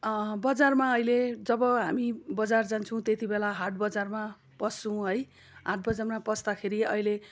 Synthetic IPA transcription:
bʌd͡zarmaʌjled͡zʌbʌɦa̰mibʌd͡zard͡zant͡sʰʌw̃t̪et̪ibelaɦaʈbʌd͡zarma | pʌsːũɦʌj | ɦaʈ̚bʌd͡zarmapʌsd̪akʰeɾiʌ̰ile

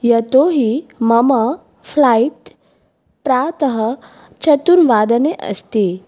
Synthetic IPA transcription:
jɐt̪oɦimɐma | flait̪ | pɾat̪əɦə | t͡ɕɐt̪uɾʋad̪əneʔə̰st̪i

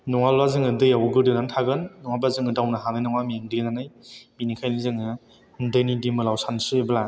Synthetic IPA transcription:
nɔŋalbazɯŋɯdɯjawɡɯdɯnantʰaɡɯnːɔŋabazɯŋɯdawnaɦanajnaŋamieŋdɯnanajminikʰajnizɯŋɯ | hundɯjnidimɯlawsansɯbla

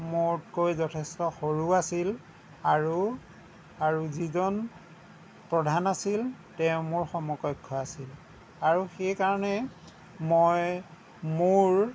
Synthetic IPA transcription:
mʊtkojzɔtʰɛstɔxoɹuasil | aɹu | aɹuzizɔn | pɹɔdʱanasil | tɛʊmʊɹxɔmɔkɔkʰːɔasil | aɹuxejkaɹɔnɛ | moj | mʊɹ

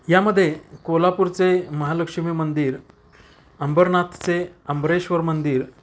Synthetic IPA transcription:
jaməd̪ʱːjekolapuːɾt͡seməɦaləkʂimiːmənd̪iːɾ | əmbəɾnat̪ʰt͡seəmbɾeɕʋəɾmənd̪iːɾ

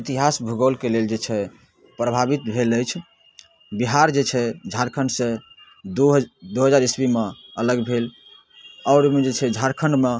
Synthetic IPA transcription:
it̪iɦasbʱuɡəlkeleld͡ʒet͡ʃʰɛ | pɾəbʱabit̪bʱeləjt͡ʃʰ | biɦaɾd͡ʒet͡ʃʰɛd͡ʒʱaɾkʰəɳɖsẽ | d̪uɦəd͡ʒaɾisbimeələɡbʱel | ɔɾmed͡ʒet͡ʃʰɛd͡ʒʱaɾkʰəɳɖme

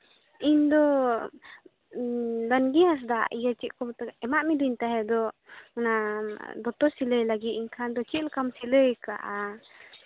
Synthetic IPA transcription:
ind̪ɔ | d̪anɡias̬d̪aijat͡ʃiʔkɔbt̪ɛɛmaʔmid̪ɔint̪aɦɛd̪ɔmanad̪ɔt̪ɔsiləjlaɡit̪̚iɲkʰand̪ɔt͡ʃilkamsiləjka̰ʔa

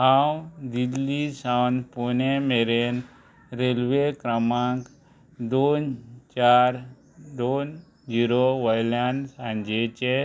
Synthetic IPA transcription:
ɦawd̪ilːisawnponemeɾen | ɾelʋekɾəmãŋk | d̪ont͡ʃaɾ | d̪on | d͡ʒiɾoʋɐjlansãɲd͡ʒet͡ʃe

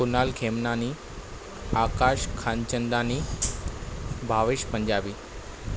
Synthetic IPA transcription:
unalkʰemnaniː | akaʂkʰant͡ɕənd̪ani | bʱaʋiʃpəɲd͡ʑabiː

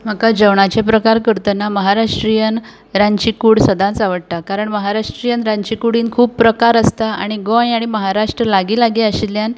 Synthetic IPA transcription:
m̤əkad͡ʑəwɳat͡ɕepɾəkaɾkəɾt̪ənːaməɦaɾaʂʈɾijən | ɾaɲt͡ɕikuːɽsəd̪ʱãnt͡saʋəɽt̪akaɾəɳməɦaɾaʂʈɾijənɾãɲt͡ɕikuɽ̤iːnkʰuːb̚pːɾəkaɾəst̪aa̰ɽ̃iɡojaɽ̃iməɦaɾaʂʈɾəlaɡiːlaɡiəɕiljan

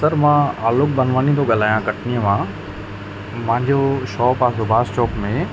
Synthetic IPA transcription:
səɾmãaːlok̚bɐnʋaːnit̪oɠɐl̤aːjãkɐʈʰnijəmãː | pɐ̃ɦɪ̃ɲd͡ʑoʃɔːpaːsobʱaːst͡ɕɔːkmẽ

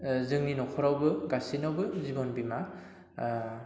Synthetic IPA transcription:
zɯŋninɔkʰɔɾawbɯɡasinawbɯzibɔnbima

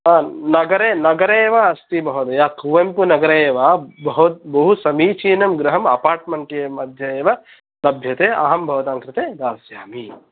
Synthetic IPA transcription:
aːnɐɡɐɾeːnɐɡɐɾeːʋaɐst̪ibɐɦud̪ɐjaːkuʋɐmpunɐɡɐɾɐeːʋabɐɦut̪̚bɐɦusɐmiːt͡ʃiːnɐmɡɾɐɦɐmɐ̰paːɾʈmɐɳʈeːmɐd̪ʱjɐeːʋɐ | lɐbʱjɐt̪eːʔɐ̰ɦɐmbʱɐʋɐt̪aːŋkɾɪt̪eːɾaːsjaːmi

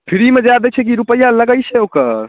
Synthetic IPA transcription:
pʰiɾimed͡ʒad̪ɛt͡ʃʰɛk̬iɾupəjːaləɡəjt͡ʃʰɛokəɾ

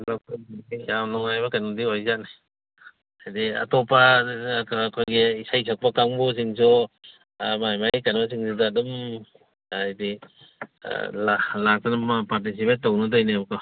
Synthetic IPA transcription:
lakijawnɔŋajbɐkandiojzana | ajdia̰tɔpakːkʰojɡeisajs̬ak̚pakaŋbus̬iŋsɔ | majmajkanbas̬iŋsudaːdɔm | jdḭ | lalak̚tanamapaɾt̬is̬ipet̚tːownɯdajnebkɔ

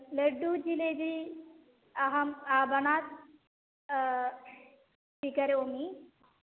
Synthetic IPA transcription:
leɖːud͡ʒiled̪i | ɐɦɐmabɐnaːt̪̚ | pikɐɾeomi

